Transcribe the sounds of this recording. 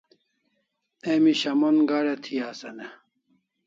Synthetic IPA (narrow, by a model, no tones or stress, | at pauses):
eːmiɕɐmonɡaːɾet̪ʰijaːsɐne